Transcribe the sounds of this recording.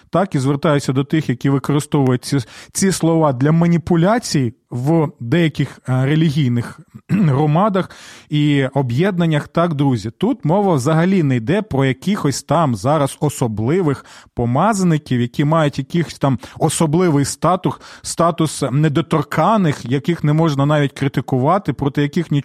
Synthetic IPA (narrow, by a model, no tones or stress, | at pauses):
t̪ɑkizʋert̪ɑjʊt͡sʲːɐd̪ɔt̪ɪxjɐkʲiʋɪkɔɾɪst̪ɔʋʊjʊt̚ʲit͡sʲislˠɔʋɑd̪lʲɐmɐnʲipʊlʲat͡sʲij | ʋd̪ɛjɐkʲɪxɾelʲiɦʲijnɪxɦɾɔmɑd̪ɐxiɔbjɛd̪̚nɐnʲːɐxt̪ɑkd̪ɾuzʲit̪ut̪mɔʋɐwzɐɦɐlʲinɛjd̪ɛpɾɔjɐkixɔsʲt̪ɑmzɑɾɐzɔsɔblˠɪʋɪxpɔmɑzɐnɪkʲiwjɐkʲimɑjʊtʲjɐkʲɪxʲt̪ɑmɔsɔblˠɪʋɪjst̪ɑt̪ʊsst̪ɑt̪ʊsnɛd̪ɔt̪ɔrkʰɑnɪxjɐkɪxnɛmɔʒnɐnɑʋʲitʲkɾɪt̪ɪkʊʋɑt̪ɪpɾɔt̪ɪjɐkɪxnʲi